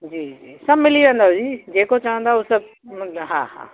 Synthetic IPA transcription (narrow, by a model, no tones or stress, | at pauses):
d͡ʒiːd͡ʒiːsɐbmɪliãnd̪aod͡ʒiːd͡ʒeːkot͡ʃaə̃nd̪aʊsɐb̚ | ɦã̰ɦã̰ː